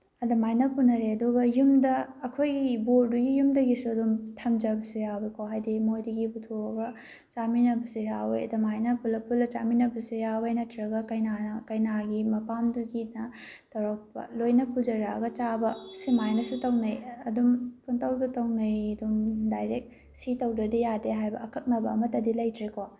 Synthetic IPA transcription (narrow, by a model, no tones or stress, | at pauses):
ɐdɐmajnɐpunɐɾeɐduɡɐjumdɐːkʰojɡiboɾduɡijumdɐɡisuɐdumtʰɐmd͡ʒɐbɐsujabekʰoɦajdimojdɐɡiputʰoɐɡɐ | t͡ʃaminɐbɐsujawḛjɐ̰dɐmajnɐpulːɐpulːɐt͡ʃaminɐbɐsujawejnɐtʰɾɐɡɐkɐjnanɐkɐjnaɡimɐpamduɡinɐtɐɾok̚pɐ̰lojnɐpud͡ʒɐɾa̰ɡɐt͡ʃabɐsimajnɐsutɐwnɐjɐdumpuntʰɐwdɐtɐwnɐjɐdumdajɾek̚ | sitɐwdɐdɐjadeɦajbɐːkʰɐk̚nɐbɐːmɐtɐdilɐjtʰɾekʰo